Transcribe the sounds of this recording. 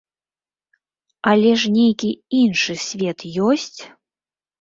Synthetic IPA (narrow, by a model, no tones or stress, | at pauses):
alʲɛʂnʲejkʲiinʂɨsʲvʲɛt̪jɔsʲt͡sʲ